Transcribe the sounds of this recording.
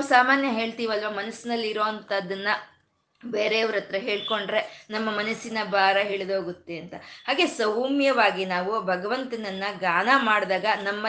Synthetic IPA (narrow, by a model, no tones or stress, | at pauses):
ausaːmaːnjɐɦe̞ːɭt̪iːʋɐlʋɐmɐnɐsinɐlːiɾo̞ːɐnt̪ɐd̪ːɐnːɐ | beːɾeɐʋɐɾɐt̪ɾɐɦe̞ːɭko̞ɳɖɾe̞nɐmːɐmɐnɐsinɐbaːɾɐɦeːɭed̪oːɡut̪ːeɐnt̪ɐhaːɡe̞sɐwmjɐʋaːɡinaːʋubʱɐɡɐʋɐnt̪ɐnɐnːɐɡaːnamaːɽd̪aːɡɐnɐmːɐ